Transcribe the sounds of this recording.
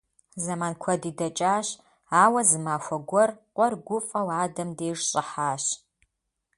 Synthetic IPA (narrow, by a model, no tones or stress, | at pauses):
zɐmaːnkʷʰɔdiːdɐt͡ʃʼaːɕ | aːwɐzɨmaːxʷɔɡʷɔrqʷɔrɡʷʊfʼɐwaːdɐmdeːʐɕʼɪħaːɕ